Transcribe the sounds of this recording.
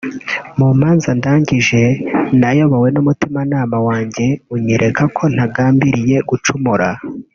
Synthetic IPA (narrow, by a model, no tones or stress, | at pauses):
muːmaːnzandaːɲɟiʒe̞najo̞βawe̞numutimanaːmawaːɲɟe̞uɲeɾʔe̞kakʰo̞n̥aɡaːmbiɾije̞ɡut͡ʃumuɾa